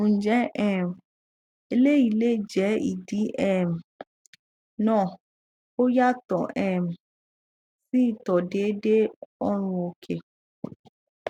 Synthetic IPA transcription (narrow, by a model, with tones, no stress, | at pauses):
ũ˨d͡ʒɛ˨˦ʔɛ˦˨m̩˨ | e˧le˦i˦˨le˦˨d͡ʒɛ˨˦ḭ˨di˨˦ʔɛ˨m̩˨ | nãː˦˨ | o˦ja˦tɔ̃˨ʔɛ˨m̩˨ | si˦˨tɔ˨de˨˦de˦ɔ˦ɾ̃ũ˧o˧kʰe˨